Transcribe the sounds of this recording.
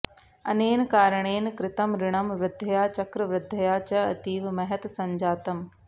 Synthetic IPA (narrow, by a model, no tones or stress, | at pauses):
ɐ̰neːnɪkaːɾəɽ̃eːnɪkɾɪt̪ɐmɾɪɽ̃ɐmʋɾɪd̪ʱːɐjaːt͡ʃɐkɾɐʋɾɪd̪ʱːɐjaːt͡ʃɐɐ̰t̪iːʋmɐɦɐt̪sɐ̃ɲd͡ʒaːt̪ɐm